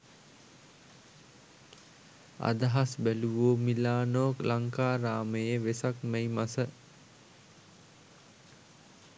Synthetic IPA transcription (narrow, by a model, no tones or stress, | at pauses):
a̰d̪aɦasbæluʋoːmilaːnoːklaŋkaːɾaːməjeʋesakmejmasə